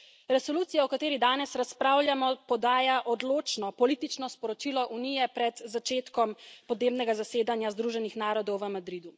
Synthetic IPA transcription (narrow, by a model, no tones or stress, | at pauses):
ɾɛsɔluːt̪sijaɔkat̪eːɾid̪aːnɛsɾaspɾawljamɔpɔd̪aːjaʔɔd̪loːt͡ʃnɔpɔlit̪it͡ʃnɔspɔɾɔt͡ʃilɔʔunijɛpɾɛd̪zat͡ʃeːt̪kɔmpɔd̪neːbnɛɡazaseːd̪anjazd̪ɾuʒɛnixnaːɾɔd̪ɔwʋəmad̪ɾid̪u